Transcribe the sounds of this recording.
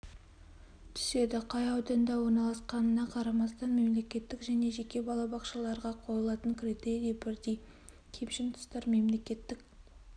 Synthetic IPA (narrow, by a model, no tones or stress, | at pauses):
t̪ʰɪ̥se̞d̪ɪqʰɑjɑwd̪ɑnd̪ɑwo̞ɾnɑlˠɑsqɑnənɑqʰɑɾɑmɑst̪ɑnme̞mle̞kʲe̞t̪ːɪkʒæne̞ʒe̞kʲe̞bɑlˠɑbɑqʃɑlˠɑɾʁɑqʰolˠəlˠɑt̪əŋkʰʲɾet̪eɾejbɪɾd̪ej | kʲʰe̞pʃɪnt̪ʰʊ̥st̪ɑɾme̞mle̞kʲe̞t̪ːɪk̚